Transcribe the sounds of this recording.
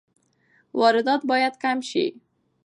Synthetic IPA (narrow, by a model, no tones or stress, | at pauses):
wɒɾɪd̪ɒt̪̚bɒjad̪kamʃḭ